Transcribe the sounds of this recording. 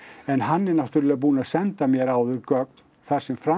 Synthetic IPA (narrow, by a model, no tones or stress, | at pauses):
ɛnɦanːɛɾnaw̥ht̪ʏɾɪlapuːnaðsɛnt̪amjɛɾaːwðʏɾkœk̚n | θaɾ̥sɛmfɾa